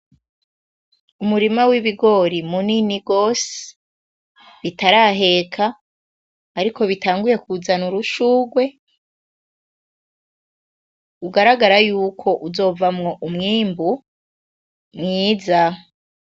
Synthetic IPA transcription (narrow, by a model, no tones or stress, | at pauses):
umuɾimawiβiɡo̞ɾimuniniɡo̞ːse̥ | βitaɾaɦe̞ːkʰaː | ɾiko̞βitaːŋɡuje̞kuzanuɾuʃuːɡwe̞ | uɡaɾaɡaɾajuːkʰo̞ʔuzo̞ːvamŋo̞ʔumŋiːmbu | mŋiːza